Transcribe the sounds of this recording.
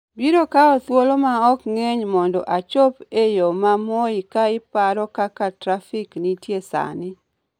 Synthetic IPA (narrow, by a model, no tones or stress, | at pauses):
biɾokaɔt̪wolomaɔkŋeɲmɔndɔ̰ʔat͡ʃopejomamɔikaɪpaɾɔkakatɾafɪknitjesa̰nɪ